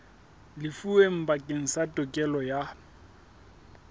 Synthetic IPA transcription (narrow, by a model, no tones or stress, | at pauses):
lɪfuem̩bakʼeŋ̩satʼɔkʼɛlɔja